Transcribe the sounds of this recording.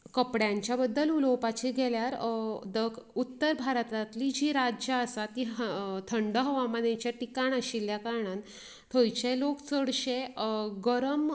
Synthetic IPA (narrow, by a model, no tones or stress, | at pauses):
kəpɽjãɲt͡ɕjabəd̪ːəlulowpat͡ɕiɡʱɛljaɾd̪əkut̪ːəɾbʱaɾt̪at̪lid͡ʑiːɾad͡ʑaəsat̪iːt̪ʰəɳɖəɦəʋamənẽt͡ɕjaʈikaɳaɕilːjakaɾɳãn | t̪ʰəjt͡ɕelokt͡səɽɕeɡəɾəm